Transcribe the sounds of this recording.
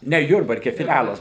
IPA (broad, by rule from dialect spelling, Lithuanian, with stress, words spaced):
ˈnʲɛ ˈjʊrbɐrʲkʲɛ fʲɪˈlʲælˠɐs